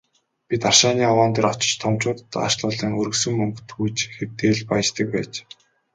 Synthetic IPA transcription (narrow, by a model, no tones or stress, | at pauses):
pʲit̪arʃaːniːawaːnt̪eːɾɔt͡ɕɪ̥̆t͡ɕt̪ʰɔmt͡ɕʊːt̪t̪ːa̰ʃɮʊːɮiːŋɵɾɵ̆sɵ̆mmːɵŋkɵt̪ujt͡ɕxert̪eːɮpaj̆t͡ɕt̪ə̆k̚pæːt͡ɕ